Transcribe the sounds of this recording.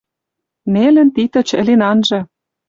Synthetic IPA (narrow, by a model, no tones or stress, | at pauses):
nelɘ̆nt̪it̪ɤ̆t͡ɕɘ̰̆lenɑnʒɤ̆